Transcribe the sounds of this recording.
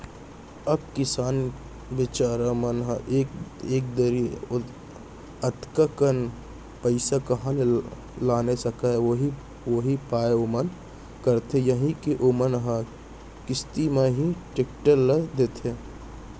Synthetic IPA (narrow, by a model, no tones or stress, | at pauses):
ɐb̚kɪsaːn | ʋɪt͡ʃaːɾamənɦəʔeeːk̚d̪əɾie | ət̪kəkən | pəɪsakɐɦãne | laːnesəkaoɦi | ʋoɦipaːeomən | kəɾt̪ejəɦĩkiʔomənɦə̃ | kɪst̪imeɦiʈekʈəɾləd̪eːt̪ʰeː